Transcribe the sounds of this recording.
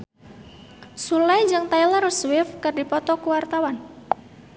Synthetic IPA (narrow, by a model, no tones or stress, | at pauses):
sulajd͡ʒɨŋt̪ajlarswɪfkɨrdipɔt̪ɔkuwart̪awan